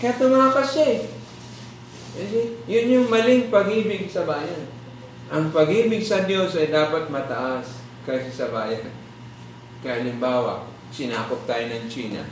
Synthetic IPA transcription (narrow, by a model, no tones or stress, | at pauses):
kjat̪ʊmaːpɐsɛ | ɐsɛjʊnjʊŋmɐlɪŋpɐɡʔiːbɪɡ̚sɐbaːjan | ʔɐŋpɐɡʔiːbɪɡ̚sɐd̪jo̞sɐjd̪aːpɐt̪̚mɐt̪ɐʔas | kɐsɪsɐbaːjan | kɐʔɐlɪmbaːwɐ̰ʔ | t͡ʃɪnaːkop̚t̪aːjonɐŋt͡ʃiːna̰